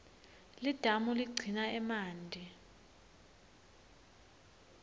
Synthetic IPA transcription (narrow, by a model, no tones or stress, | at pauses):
lid̥ʱamuliɡ͡ǀʱinaɛmaːndʱi